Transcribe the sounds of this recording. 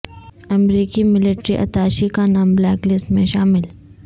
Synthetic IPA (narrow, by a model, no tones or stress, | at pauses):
ɐmɾiːkimɪlɪʈɾiʔɐ̰t̪aːʃikanaːmblɛːklɪsʈmẽʃaːmɪl